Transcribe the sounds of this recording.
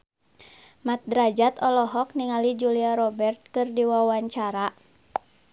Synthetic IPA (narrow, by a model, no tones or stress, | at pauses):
mat̪̚dɾad͡ʒat̪ɔlɔɦɔk̚niŋalid͡ʒuliaɾɔbɛrt̪̚kɨrdiwawaɲt͡ʃaɾa